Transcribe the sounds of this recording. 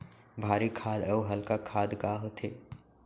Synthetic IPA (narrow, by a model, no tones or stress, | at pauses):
bʱaːɾikʰaːd̪əuɦɐlkakʰaːd̪ɡaɦot̪ʰeː